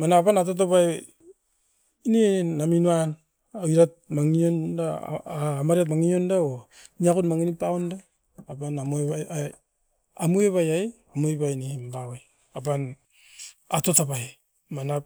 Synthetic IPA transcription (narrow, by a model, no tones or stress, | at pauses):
manapanat̬ot̬apaj | neaminuan | ajɾat̚maŋionda̰ː | maɾiat̬maŋiondaoniakunmaŋinipaondaː | panamuea | amueβajaj | amueβajnembawaj | apan | atotapaj | mana